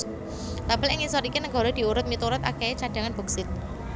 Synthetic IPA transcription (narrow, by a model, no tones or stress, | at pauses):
t̪ab̥əlɪŋisɔɾikinəŋɡɔ̤ɾod̪̥i̤uɾʊt̪̚mit̪uɾʊt̪a̰keet͡ʃaɖ̥ä̤ŋanb̥ɔ̤ksɪt̪̚